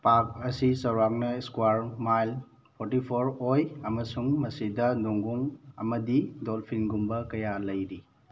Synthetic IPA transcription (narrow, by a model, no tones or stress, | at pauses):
pak̚ɐsisɐwɾak̚nɐiskuwaɾmajl | pʰɔɾtipʰoɾojɐmɐsuŋmɐsidɐnuŋɡuŋɐ̰mɐdidolpʰinɡumbɐkɐjalɐjɾi